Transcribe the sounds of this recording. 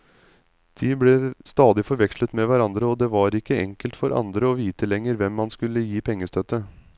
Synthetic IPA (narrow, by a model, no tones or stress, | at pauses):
d̪̥ibleːst̪ɑːd̪ɪfɔɾʋɛkʂlət̪meʋæɾɑnd̪ɾəoːd̪eːʋɑːɾɪkːəɛ̰ŋkəlt̪fɔɾʔɑ̰nd̪ɾəoːʋiːt̪əlɛŋːəɾʋɛmːɑnskʉlːəjiːpʰɛŋːəst̪ʰœt̪ːə